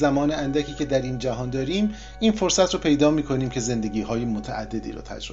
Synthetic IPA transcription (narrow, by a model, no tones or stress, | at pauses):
zæmɒːneænd̪æcʰiːcʰe̞d̪æɾiːnd͡ʒæɦɒːnd̪ɒːɾiːm | iːnfoɾsæt̪ʰɾɔːpʰe̞jd̪ɒːmiːkʰo̞niːmcʰe̞ze̞nd̪e̞ɟiːɦɒːjemot̪ʰæʔæ̰d̪ːe̞d̪ḭːɾɒ̰ːt̪ʰæ̰d͡ʒɾo